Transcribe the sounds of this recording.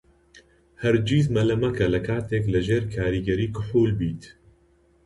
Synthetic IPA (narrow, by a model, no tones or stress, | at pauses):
hɛɾd͡ʒiːzmɐlɐmɐkʰɐlɐkʰaːt̪eːklɨʒeːɾkʰaːɾiːɡɛɾiːkʊħuːlbiːt̪